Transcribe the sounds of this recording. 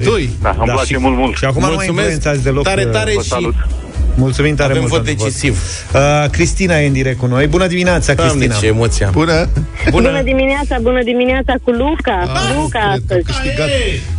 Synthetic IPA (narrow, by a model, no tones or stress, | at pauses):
d̪ujd̪a̰əmaplat͡ʃemult̪mult̪ʃiakumaulmajumeseasʲd̪e̞lo̞t̪aɾeaɾeʃsiut̪ | mult̪sumimt̪aɾemeulvot̪d̪et͡ʃoisiv | əkɾist̪inajeɨnd̪iɾek̚t̪kuno̞jbunəd̪imineat̪sakɾist̪inaemot̪sijabunə | bubunəd̪imineat̪sabunəd̪imineat̪sakulukalukaat̪əzkɨʃt̪iɡat̪